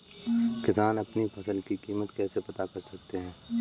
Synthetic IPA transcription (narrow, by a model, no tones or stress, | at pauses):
kɪzaːnɐpnipʰɐsəlkikiːmət̪kɛːsepɐt̪akɐɾsɐk̚t̪eɦɛ̃ː